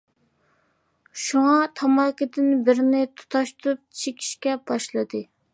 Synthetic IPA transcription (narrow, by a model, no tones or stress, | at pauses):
ʃuŋɑt̪ʰɑmɑkʲɪd̪ɪnbɪɾnɪt̪ʰu̥t̪ʰɑʃt̪uɾup̚t͡ʃʰekʲʰi̥ʃkʲɛb̥ɑʃlˠɨd̪ɨ